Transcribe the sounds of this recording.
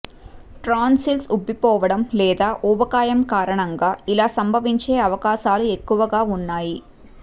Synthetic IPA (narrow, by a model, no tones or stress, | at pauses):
ʈɾaːnsilsubipɔːʋɐɽɐmlɛːd̪aːʔubɐkaːjɐmkaːɾɐɳɐŋɡaːilaːsɐmbʱɐʋiɲt͡ʃeːɐʋɐkaːʃaːlue̞kːuʋɐɡaːunːaːji